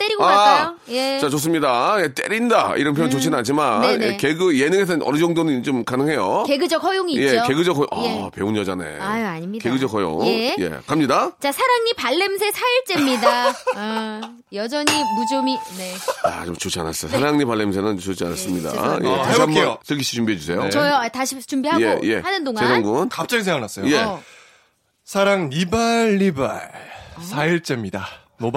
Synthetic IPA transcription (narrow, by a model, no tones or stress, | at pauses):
t͈eɾiɡoaao | jet͡ɕat͡ɕos̬͈ɯmɲidaje̞t͈e̞ɾindaiɾʌnpʰjojŋt͡ɕot͡ɕʰinɯnad͡ʑimannjekeɡɯjenɯŋes̬ʰʌnʌ̰nɯd͡ʑʌŋdonɯnt͡ɕomkanɯŋɦe̞jokeɡɯd͡ʑʌk̚hʌjoŋiːjet͡ɕoke̞ɡɯd͡ʑʌkɦʰʌjoŋʌpeunjʌd͡ʑanḛaaɲimke̞ɡɯd͡ʑʌkhʌjo̰ŋeje̞̰kamɲidat͡ɕasʰaɾaŋɲipaɭːe̞ms̬ʰe̞sʰaiɭt͡ɕ͈emɲidaɯ | jʌd͡ʑʌɲimud͡ʑomineat͡ɕomt͡ɕot͡ɕʰianas͈ʌjosʰaɾaŋɲipaɭːe̞ms̬ʰenɯnt͡ɕot͡ɕʰianas͈ɯmɲida̰jʔḛtaiambʌs͈ʰɯkʰiɕʰi̥t͡ɕumbiɦe̞d͡ʑusʰe̞jot͡ɕʌjoataɕʰit͡ɕumbiɦajeje̞̰hanɯndoŋaesaŋɡunkap̚t͡ɕ͈aɡisʰeŋɡaɯnas͈ʌjoje̞ | sʰaɾaŋnibaɭːibaɭsʰaiɭt͡ɕ͈emɲida | mo